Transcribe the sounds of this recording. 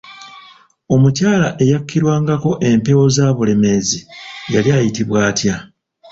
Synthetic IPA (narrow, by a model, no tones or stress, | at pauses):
o̞mucaːlaʔe̞jakːiɾwaːŋɡako̞ʔe̞mpe̞wo̞zaːβule̞me̞zijaliajitiβwaːtja